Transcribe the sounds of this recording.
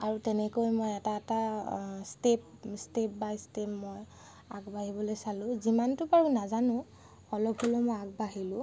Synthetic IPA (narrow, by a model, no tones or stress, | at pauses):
aɹutɛnɛkojmojɛtaɛtastep̚step̚bajstepmoj | aɡbaɦibɔlojsalʊ̃zimantʊpaɹunazanʊ̃ | ɔlɔbholomojaɡ̚baɦilʊ̃